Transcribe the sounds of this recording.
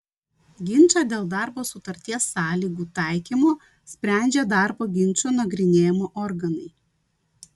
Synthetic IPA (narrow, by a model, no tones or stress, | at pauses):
ɡʲɪnʲˑt͡ʃɑːd̪ʲeːlˠd̪ɑˑɾboːsʊt̪ɐɾʲt̪ʲiɛsːɑːlʲiːɡuːt̪ɑˑɪkʲiːmoː | sʲpʲɾʲæˑnʲd͡ʒʲed̪ɑˑɾboːɡʲɪnʲˑt͡ʃʲuːnɐɡɾʲɪnʲeːjmoːʔɔɾɡɐnɐɪ